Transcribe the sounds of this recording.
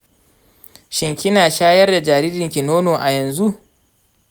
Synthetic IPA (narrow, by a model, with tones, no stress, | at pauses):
ʃɪ˨ŋkʲi˦naː˨ʃaː˦jɐ˦rda˨d͡ʒaː˨ɾiː˦dɪ˨ŋkʲi˨noː˦noː˨ʔa˨jɐ˨nzu˦ʔ